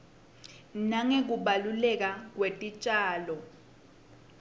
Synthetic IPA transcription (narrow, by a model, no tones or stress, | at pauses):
naŋek̬uɓalulɛk̬ak̬wetʼit͡ʃʼaːlɔ